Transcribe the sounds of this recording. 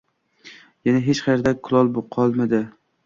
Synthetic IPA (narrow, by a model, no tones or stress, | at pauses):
janaɦet͡ʃχʰaɾd̪akʰʊlˠɒlˠboqʰɒlˠmad̪ɪ